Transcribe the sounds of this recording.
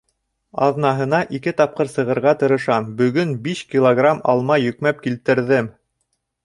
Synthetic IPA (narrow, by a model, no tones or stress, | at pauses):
ɑ̰ðnɑɦɤ̆nɑʔikɘt̪ɑp̚qɤɾsɤ̆ʁɤ̆ɾʁɑt̪ɤ̆ɾɤ̆ʃɑmbɵ̆ɡɵnbiʃkʲilˠoɡramɑ̰lˠmɑjɵ̆kmæp̚kilt̪ɘ̆ɾðɘm